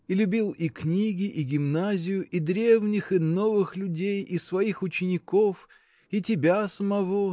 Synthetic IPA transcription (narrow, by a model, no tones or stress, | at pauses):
ilʲʊbʲilˠiknʲiɡʲɪʔiɡʲɪmnazʲɪjʊʔid̪ɾʲe̞vnʲɪxɪno̞vɨxlʲʊdʲejisvɐixʊt͡ɕɪnʲɪko̞f | itʲɪbʲasəmɐvo̞